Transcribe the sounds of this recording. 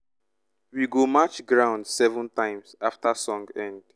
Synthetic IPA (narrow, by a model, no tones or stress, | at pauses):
wiɡomat͡ʃɡɹãʊ̃ndsɛvə̃ntãɪ̃msaftasɔ̃ŋɡɛ̃nd̥